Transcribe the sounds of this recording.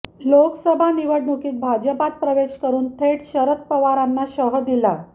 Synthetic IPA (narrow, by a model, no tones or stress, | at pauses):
loksəbʱaniʋəɽɳukiːt̪̚bʱad͡ʑəpat̪̚pɾəʋeɕkəɾuːnt̪ʰeʈɕəɾət̪̚pəʋaɾanːaɕəɦəd̪ila